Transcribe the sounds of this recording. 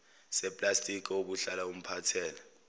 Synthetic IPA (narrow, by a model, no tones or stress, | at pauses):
sɛpʼlastʼik̬ʼɛoɓuɬalaum̩pʰatʰɛːla